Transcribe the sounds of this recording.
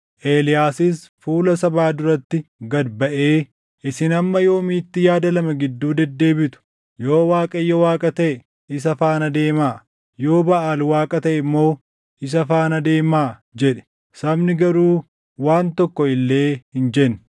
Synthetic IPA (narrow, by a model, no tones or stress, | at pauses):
ʔe̞ːlɪjaːsɪsfuːlɐsɐbaːd̪ʊɾɐt̪ːɪɡɐd̪bɐʔe̞ː | ʔɪsɪnɐmːɐjo̞ːmiːt̪ːɪjaːd̪ɐlɐmɐɡɪd̪ːuːd̪ɛd̪ːe̞ːbɪt̪ʊ̥ | jo̞ːwaːkʼɐjːɔwaːkʼɐt̪ɐʔɛ | ɪs̬ɐfaːnɐd̪e̞ːmaː | jo̞ːbɐʔaːlwaːkʼɐt̪ɐʔɛmːo̞ː | ɪs̬ɐfaːnɐd̪e̞ːmaːd͡ʒɛᶑɛ̥ | sɐbnɪɡɐɾuː | waːnt̪ɔkːɔɪlːe̞ːhɪnd͡ʒɛn